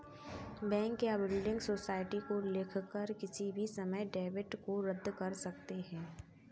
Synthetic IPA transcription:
bɛ̃ːŋkːeabɪlɖɪ̃ŋɡsoːsaːɪʈikoleːkʰkəɾkɪsibʱisɐməjɖeːʋɪʈkoɾəd̪ːkɐɾsɐk̚t̪eɦɛ̃ː

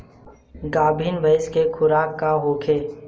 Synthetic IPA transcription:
ɡaːbʱiːnbʱəɪskekʰʊɾaːkːaɦoːkʰeː

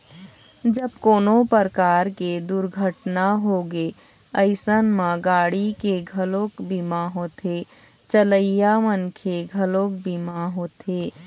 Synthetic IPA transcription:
d͡ʒəbkoːnopəɾkaːɾked̪uɾɡʱəʈnaɦoːɡe | əɪsənmãɡaːɽikeɡʱəloːkbimaɦoːt̪e | t͡ʃələijamənkʰeɡʱəloːk̚bimaɦoːt̪eː

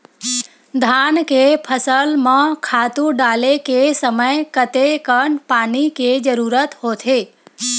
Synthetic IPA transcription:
d̪ʱankepʰəsəlmãkʰaːt̪ũɖaːlekesəməjkət̪ekəɳpaːniked͡ʒəɾuːɾət̪ɦoːt̪ʰe

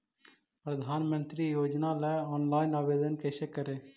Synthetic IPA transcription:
pɾəd̪ʱaːnmə̃nt̪ɾijoːd͡ʒnalɛːɔːnlaːɪnaːbeːd̪ənkɛsekəɾeː

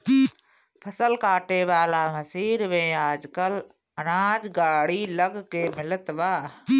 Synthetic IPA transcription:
pʰəsəlkaːʈeʋaːlaməsiːɾmẽːaːd͡ʒkəl | ənaːd͡ʒɡaːɽiləɡkemɪlət̪ʋaː

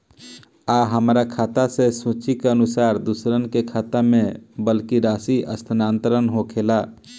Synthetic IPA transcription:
aɦəmɾakʰaːt̪asesũːt͡ʃikeənʊsaːɾd̪usɾənkekʰaːt̪amẽbəlkiɾaːsiʔə̰st̪ʰənaːnt̪əɾənɦokʰeːla

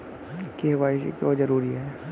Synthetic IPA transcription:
keɦʋaːisḭkod͡ʒɐɾuːɾiɦɛː

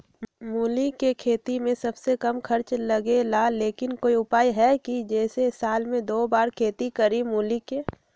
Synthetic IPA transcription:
muːlikːekʰeːt̪imẽsɐbsekɐmkʰɐɾt͡ʃləɡelaleːkɪnkoːiʊpaːiɦɛkid͡ʒɛːsesaːlmẽd̪oːbaːɾkʰeːt̪ikəɾimuːlikːe

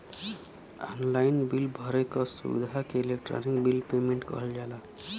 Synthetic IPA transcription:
ɔ̰nlajnbilbʱʌɾekɔsṵd̪ʱakeilekʈɾɔ̰nikbilpemeɳʈkʌ̰ɦəld͡ʒala

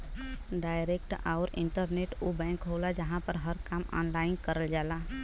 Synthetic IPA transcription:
ɖaːɪɾeːk̚ʈaːɾɪ̰̃ɳʈəɾneːʈobɛ̃ːŋkɦoːlad͡ʒəɦãpəɾɦəɾkaːmɔ̰ːnlaːɪnkəɾəld͡ʒaːlaː

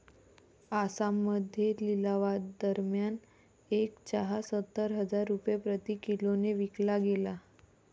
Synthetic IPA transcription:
asamːəd̪ʱjelilaʋad̪d̪əɾmjan | ekt͡ɕaɦasət̪ːəɾɦəd͡zaɾːupjapɾət̪ikiloneʋiklaɡela

